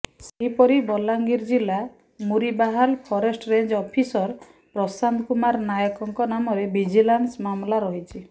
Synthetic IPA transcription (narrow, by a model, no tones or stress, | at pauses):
seɦipɔɾibɔlaŋɡiɾd͡ʒila | muɾibaɦalpʰɔɾesʈɔɾeɲd͡ʒɔpʰisɔɾ | pɾɔsand̪ʰkumaɾnajɔkɔŋkɔnamɔɾebid͡ʒilansmamlaɾɔɦit͡ʃʰi